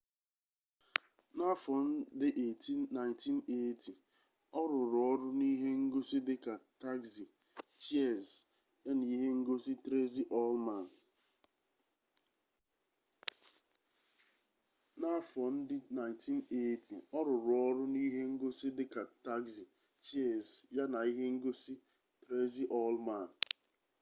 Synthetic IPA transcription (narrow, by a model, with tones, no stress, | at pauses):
na˦fɔ˨n̩˦dɪ˦ʔe˨ti˦na˨ɪ˨nti˦ne˦ti˨ | ɔ˦ɾʊ˨ɾʊ˨ɔ˦ɾʊ˦ni˦ɦe˦ŋ̩˦ɡo˦si˦dɪ˦ka˨ta˦ɡzi˨ | t͡ʃi˦ɛ˦˨z | e˦ni˦ɦe˦ŋ̩˦ɡo˦si˦tɾe˦zi˦ʔɔ˦lma˨n˨ | na˦fɔ˨n̩˦dɪ˦na˨ɪ˨nti˦n˦e˦tʰḭ˨ɔ˦ɾʊ˨ɾʊ˨ɔ˦ɾʊ˦ni˦ɦe˦ŋ̩˦ɡo˦si˦dɪ˦ka˨ta˦ɡzi˨ | t͡ʃe˦˨zja˦na˨i˦ɦe˦ŋ̩˦ɡo˦si˦ | tɾe˦zi˦ʔɔ˦lma˦˨n̩˨